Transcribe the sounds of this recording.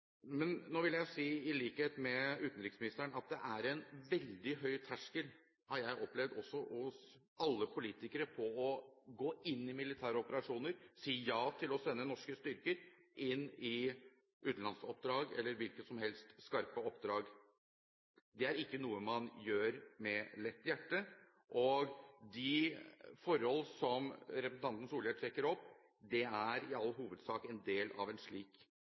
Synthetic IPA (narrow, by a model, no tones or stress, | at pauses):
mɛnːoːʋɪljæɪsiːɪliːkheːt̪mɛʉːt̪n̩ɾɪksmɪnɪst̪əɳɑt̪̚d̪ɛʔæɾɛnʋɛld̪ɪɦœʏt̪ʰæʂkəl | hɑɾjæɪʔɔplɛʋd̪ɔsːɔhʊs | ɑlːəpʰʊliːt̪ɪkəɾəpʰɔɔɡoːɪnːɪmɪlɪt̪ʰæːɾəɔpəɾɑʂuːnəɾsiːjɑːt̪ʰɪlɔsɛnːənɔʂkəst̪ʏɾkəɾʔɪnːɪ | ʔʉːt̪n̩lɑnsɔpd̪ɾɑːɡɛ̰lːəɾʋɪlkət̪sɔmhɛlst̪skɑɾpəɔpd̪ɾɑːɡ | d̪ɛæɾɪkːənuːəmɑnjøːɾmɛlɛt̪ːjæʈːə | ʔɔɡd̪ɪfɔɾhɔlːsɔmɾɛpɾəsn̩ɑnt̪ən̩suːlɪjeːʈ̪ʰɾɛkːəɾɔpː | d̪ɛæɾɪɑlːɦuːʋəd̪sɑːkɛnd̪eːlɑ̰ʋɛnʂɭiːk